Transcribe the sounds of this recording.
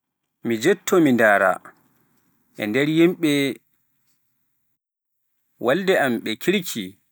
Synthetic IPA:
mid͡ʒɛtʰːɔmindaːɾa̰ | ʔɛ̰ndɛɾjimɓɛ | waldɛamɓɛkʰiɾkʰi

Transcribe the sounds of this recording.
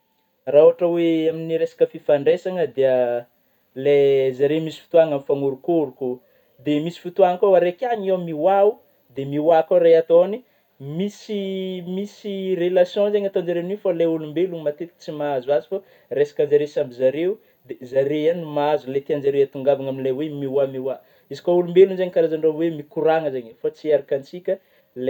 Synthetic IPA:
rauaʈ͡ʂəweaminiɾesḁkəfifaɳɖ͡ʐesaŋəd̪eə | lezaɾemisi̥fu̥t̪uaŋamifaŋuɾukuɾuku | d̪emisi̥fut̪uaŋəkawaɾekʲaɲemiwau | d̪emiwakaɾeat̪oni | misimisirelasjõzeɲat̪onzaɾenifalajulumbeluŋmat̪et̪i̥t͡simaazazi̥fa | resḁkand͡ʒaɾesambizaɾeu | d̪ezaɾejanimaazulajt̪iand͡ʒaɾeat̪uŋɡavaŋaminilajwemiwamiwa | izi̥kaulumbelunzeɲkaɾazaɳɖ͡ʐowemikuɾaŋəzeɲəfat͡siaɾakant͡sikʲə | l

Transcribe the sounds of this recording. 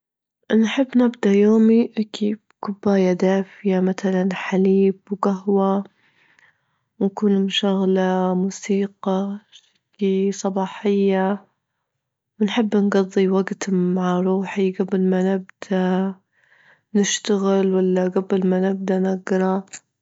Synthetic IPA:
ʔnħɪbːnɪbd̪ajoːmiʔakiːb̚kʊbːaːjad̪aːfjamaθalanħaliːbwɡaɦwa | wnkuːnmʃaɣlamuːsiːqɑḁkisˤɑbɑːħɪjːa | wnħɪbːnɡɑd̪ˤːiwaɡt̪maʕaɾˤuːħiɡablmanɪbd̪̥a | nɪʃt̪aɣɪlwalːaɡablmanɪb̚d̪anaɡɾˤɑ

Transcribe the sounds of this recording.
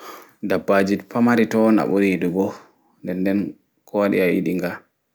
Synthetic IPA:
dabːad͡ʒipamaɾitɔna̰ɓuɾiduɡɔ | ndɛndɛn | kʰɔwaɗḭaḭɗiŋɡa

